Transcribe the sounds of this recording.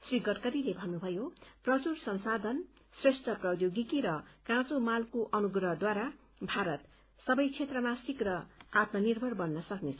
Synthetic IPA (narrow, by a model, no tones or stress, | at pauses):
sriɡʌrkʌɾilebʱʌnːubʱʌjoprʌt͡sursʌnsad̪ʱʌn | sresʈʰʌprʌwd̪joɡikiɾʌkãt͡somalkoʔʌnuɡrʌɦd̪waɾa | bʱaɾʌt̪ | sʌbʌjt͡sʰet̪rʌmasikrʌat̪nʌnirbʱʌrbʌnːʌsʌknet͡sʰʌ